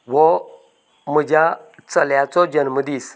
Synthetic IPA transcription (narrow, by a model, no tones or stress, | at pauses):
wo | mɨd͡ʒat͡səljat͡sod͡ʒənmɨdis